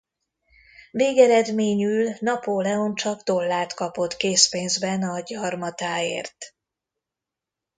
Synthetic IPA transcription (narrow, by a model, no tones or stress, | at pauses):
meːɡɛɾɛd̪meːɲyːlnɒpoːlɛo̞nt͡ʃɒɡd̪o̞lːaːt̪kɒpo̞t̪keːspeːnzbɛnɒɟɒrmɒt̪aːḛːrt̪